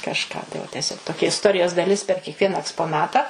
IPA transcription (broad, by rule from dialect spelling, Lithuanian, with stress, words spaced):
kɐʃˈkɑː tɐɪ ˈʋɐ tʲɛˈsʲoːk toːˈkʲɛ ɪsˈtoːrʲɪjoːs dɐˈlʲɪs pʲɛr kʲiɛkˈʋʲiɛnɐ ɛkspoːˈnɑːtɐ